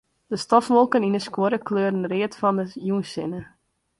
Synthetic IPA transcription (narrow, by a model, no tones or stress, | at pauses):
d̥əstɔfʋolˠkənindəskwoɾəkløːrən̩rɪətfɔndəjunsɪnə